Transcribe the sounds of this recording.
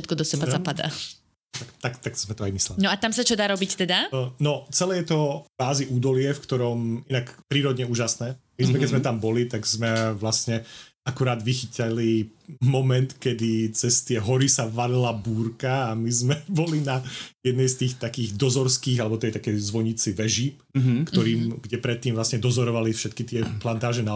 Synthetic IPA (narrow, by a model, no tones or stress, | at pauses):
ʃɛt̪̚kɔd̪ɔsɛbazapad̪a̰ː | t̪akt̪akt̪akz̥mɛt̪ɔajmislɛlnɔat̪amsat͡ʃɔd̪aːɾɔbict̪ɛd̪anɔt͡sɛlɛːjɛt̪ɔbaːziʔuːd̪ɔlɪɛfkt̪ɔɾɔminakpɾiːɾɔd̪ɲɛuːʒasnɛːmizmɛkɛzmɛt̪ambɔlit̪aɡzmɛʋlasɲɛ | akuɾaːd̪ʋixicalimɔmɛnt̪kɛd̪it͡sɛst̪ɪɛɦɔɾisaʋaɾilabuːɾkaːmizmɛbɔlinajɛd̪nɛjst̪iːxt̪akiːɣd̪ɔzɔɾskiːɣalɛbɔt̪ɛjt̪akɛjzʋɔɲit͡siʋɛʒiːp | kt̪ɔɾiːmɡɟɛpɾɛt̪ːiːmvlasɲɛd̪ɔzɔɾɔʋalifʃɛt̪kit̪ɪɛplant̪aːʒɛna